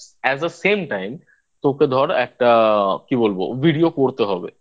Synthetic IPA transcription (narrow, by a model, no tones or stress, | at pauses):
ɛzd̪əsemʈajm | t̪oked̪ʱɔɾɛk̚ʈakibolbo̰bʱiɖiokoɾt̪eɦɔbḛ